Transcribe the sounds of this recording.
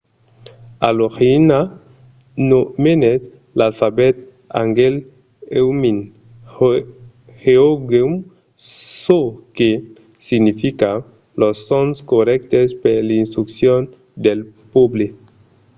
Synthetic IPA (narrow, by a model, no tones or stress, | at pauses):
a̰loxina | nomenet̪ | lalfabet̪̚ | a̰ŋɡel | ewmin | heoɡem | soke | siɡnifika | losonskoɾɛk̚t̪espelinst̪ɾuksjon | d̪elpuble